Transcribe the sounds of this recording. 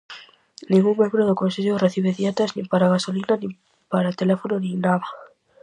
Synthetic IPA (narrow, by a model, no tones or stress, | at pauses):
nĩŋɡuŋmẽmbɾoðokonseʎoreθiβ̞eðjet̪aznĩmpaɾaɣasolinanĩ | paɾat̪elefononĩnaβa